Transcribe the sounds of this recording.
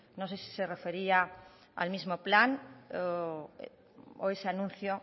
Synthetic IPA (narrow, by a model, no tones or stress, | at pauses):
nõsesi̥serefeɾia | a̰lmizmoplan | o̰eseanũn̟θjo